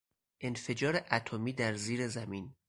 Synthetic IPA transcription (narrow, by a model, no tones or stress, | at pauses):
ʔe̞nfe̞d͡ʒɒːɾeʔæt̪ʰomiːd̪æɾziːɾezæmiːn